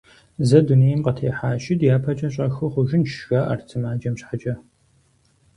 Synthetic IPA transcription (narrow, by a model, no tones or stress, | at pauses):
zɐdunejɐmqɐtʰeːħaːʃɪdjaːpʰɐt͡ʃʼɐɕ̬ʼɐxɨχʷʊʒɪnʃxaːʔɐ̰rtʰɨmaːd͡ʒɐmɕħad͡ʒʼɐ